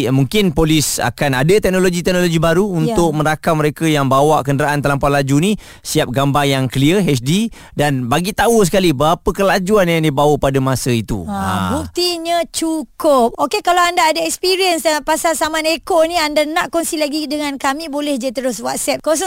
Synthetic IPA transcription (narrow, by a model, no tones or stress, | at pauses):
muŋkɪnpolisa̰kanadət̪ɛk̚noloɡit̪ɛk̚noloɡibaɾuunt̪ʊk̚mə̃ɾakaməɾekəjaŋbawaʔkəndəɾaʔant̪alampaʔlad͡ʒunĩ | siap̚ɡambajaŋkəliəɦɛt͡ʃdi | danbaɡit̪aus̬ə̥kalibəapəkəlad͡ʒuanjaŋdibawəpadəmasəit̪ṵbuk̚t̪iɲə̃t͡ʃukʊp̚okekalaandaːdaɛkspiɾiənspasalsamãnekoniandanãʔkɔnsilaɡidəŋãnkamĩbolɛhd͡ʒadit̪əɾʊswat̪̚sɛp̚kɔs̬